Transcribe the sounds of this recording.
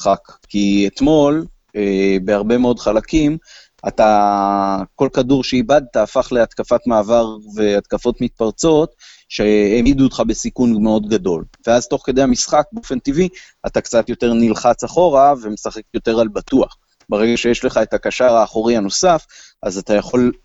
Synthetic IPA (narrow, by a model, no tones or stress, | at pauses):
χakkiet̪mo̞l | ebe̞aʁbe̞meo̞dχalakim | at̪a | ko̞lkaduʁʃeibad̪̚t̪aːfaχle̞at̪kafat̪maːvaʁve̞at̪kafo̞t̪mit̪̚paʁt͡so̞t̪ | ʃeemiduːt̪χabe̞sikunmeo̞d̪ɡado̞lve̞azt̪o̞χked̪ehamisχak̚beofe̞nt̪ivi | at̪akt͡sat̪jo̞te̞ʁnilχat͡saχo̞ʁave̞mesaχe̞kjo̞t̪e̞ʁalbat̪uaχ | beʁe̞ɡaʃejeʃle̞χae̞takaʃaʁaːχoʁiano̞saf | azat̪ajaχo̞l